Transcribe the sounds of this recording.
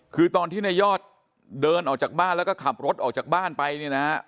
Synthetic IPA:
kʰɯː˧t̪ɔː˧nt̪ʰiː˥˩na˧jɔː˥˩t̪̚ | dɤː˧nʔɔː˨˩k̚t͡ɕaː˨˩k̚baː˥˩nlɛː˦˥wkɔː˥˩kʰa˨˩p̚ɾo˦˥t̪̚ʔɔː˨˩k̚t͡ɕaː˨˩k̚baː˥˩npa˧jni˥˩na˦˥

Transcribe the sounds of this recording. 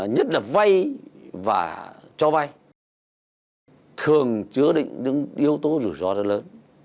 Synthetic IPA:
ɲə˦˥t̚laː˨˩va˧jva̰ː˨˩t͡ɕɔ˧va˧j | t̪ʰɨ˨˩əŋt͡ɕɨ˨˦əɗḭ˧˨ŋ̟ɗɨ̰˧˥ŋʔi˧əwt̪o˨˦zu˧˩zɔ˧zə˦˥ləː˨˦n

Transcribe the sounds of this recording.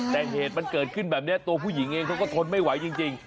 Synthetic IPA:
t̪ɛː˨˩ɦeː˨˩t̪̚ma˧nkəː˨˩t̪̚kʰɯ˧˩nbɛː˨˩p̚ni˦˥ət̪u˧əpʰu˥˩jiː˨˩˦ŋeː˧kʰɔ˧˦˥wkɔː˧˥˩kʰo˧nma˥˩jwa˨˩˦jt͡ɕi˧ŋt͡ɕi˧ŋ

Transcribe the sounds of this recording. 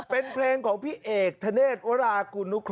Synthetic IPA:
pe˧npʰleː˧ŋkʰɔː˩˦ŋpʰiː˥˩˨ʔeː˨˩k̚t̪ʰa˧neː˥˩t̪̚wa˦˥ɾaː˧ku˧nu˦˥kʰ

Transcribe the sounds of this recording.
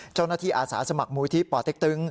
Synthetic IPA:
t͡ɕa˥˩wnaː˥t̪ʰiː˥˩ʔaː˧sa̰ː˩˦sa˧ma˨˩k̚muː˧˦t̪ʰi˦˥pɔː˨˩t̪ːe˦˥k̚t̪ɯ˦˥ŋ

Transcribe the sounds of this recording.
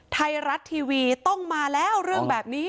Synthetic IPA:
t̪ʰa˧jɾa˦˥t̪ʰːiː˧wiː˧t̪ɔ˥˩ŋmaː˧lɛː˦˥wɾɯ˥˩əŋbɛː˨˩p̚niː˦˥

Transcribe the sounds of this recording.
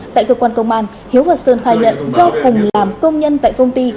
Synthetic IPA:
t̪a̰ː˧˨jkəː˧kwaː˧nkə˧wŋ͡mʔaː˧˩n | hi˨˦əwvaː˨˩sɨ̰˧˩nt̪aː˧˩ɲə̰˧˨nzɔ˧kʊ˨˩ŋ͡mlaː˨˩mkə˧wŋ͡mɲə˧nt̪a̰ː˧˨jkə˧wŋ͡mt̪i˧

